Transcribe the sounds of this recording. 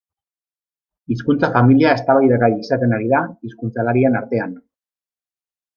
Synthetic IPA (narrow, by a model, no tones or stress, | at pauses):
iskunt͡safamiliae̞st̪aβajðaɣajisat̪e̞naɾiðaiskunt͡salaɾienaɾt̪e̞an